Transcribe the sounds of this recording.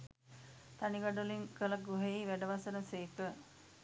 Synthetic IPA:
t̪aniɡaɖuliŋkəlaɡuɦeiʋæɖəʋasənəseːkə

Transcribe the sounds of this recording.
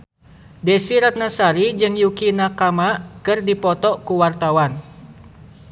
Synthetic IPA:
dɛsiɾat̪̚nasaɾid͡ʒɨŋjukinakamakɨrdipɔt̪ɔkuwart̪awan

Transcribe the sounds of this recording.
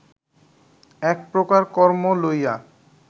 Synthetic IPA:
ɛk̚pɾokaɾkɔɾmoloja

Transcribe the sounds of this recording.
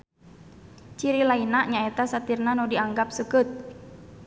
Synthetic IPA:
t͡ʃiɾilainaʔɲaɛt̪asat̪irnanudiaŋɡap̚səkɨt̪̚

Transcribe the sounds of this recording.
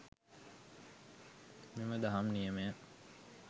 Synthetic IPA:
miməd̪ɐɦamnijəme

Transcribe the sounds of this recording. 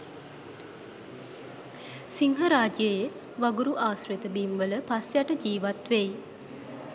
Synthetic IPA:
siŋɦəɾaːd͡ʒjəje | ʋaɡuɾuʔaːsret̪əbimʋələpasjaʈəd͡ʒiːʋat̪ʋej

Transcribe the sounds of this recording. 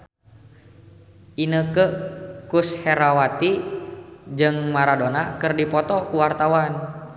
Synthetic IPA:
ʔinəkəkushɛɾawat̪i | d͡ʒɨŋmaɾadonakərdipɔt̪ɔkuwart̪awan

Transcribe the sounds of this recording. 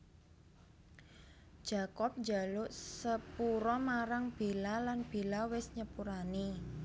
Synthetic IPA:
ʒ̥a̤kɔp̚dd͡ʒa̤lʊʔsəpuɾɔmaɾaŋb̥e̤lalanb̥e̤lawɪsɲəpuɾani

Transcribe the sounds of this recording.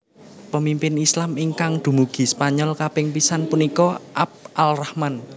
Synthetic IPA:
pəmimpɪnislamiŋkaŋd̪̥ṳmuɡ̥i̤spaɲɔlkapɪŋpisanpunikɔʔap̚ʔalrahman

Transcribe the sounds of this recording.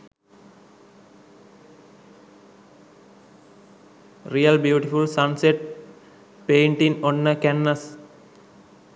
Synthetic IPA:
ɾijəlbjuːʈifulsanseʈ̚ | peːɳʈiŋonːəkænːəs

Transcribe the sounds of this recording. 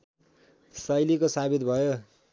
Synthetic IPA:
sʌjlikosabid̪bʱʌjo

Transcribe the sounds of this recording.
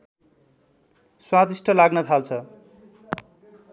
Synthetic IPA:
swat̪isʈʰʌlaɡnʌt̪ʰalt͡sʰʌ

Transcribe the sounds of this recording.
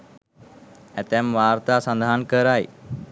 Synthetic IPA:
ɛt̪ɛmʋaɾt̪asə̃nd̪ʱankəɾaj

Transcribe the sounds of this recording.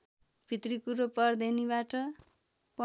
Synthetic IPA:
b̥ʱit̪rikuɾopʌrd̪enibaʈʌ | pʌ

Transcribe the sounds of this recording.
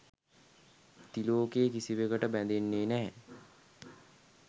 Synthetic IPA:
t̪iloːkeːkisiʋekəʈəbænd̪enːeːnæɦɛ

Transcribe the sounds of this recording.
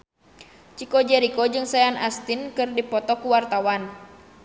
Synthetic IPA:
t͡ʃikɔd͡ʒɛɾikɔd͡ʒɨŋsajanast̪inkɨrdipɔt̪ɔkuwart̪awan

